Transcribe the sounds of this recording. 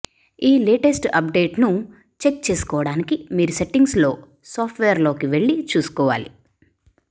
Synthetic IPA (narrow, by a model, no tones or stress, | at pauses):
iːleːʈesʈɐp̚ɖe̞ːʈnu | t͡ʃe̞k̚t͡ʃe̞ːsu̥kɔːʋɐɽaːnikimiːɾuse̞ʈːiŋɡslo̞ː | soːpʰʈʰʋeːɾlo̞ːkiʋeɭːit͡ʃuːsu̥kɔːʋa̰ːlḭ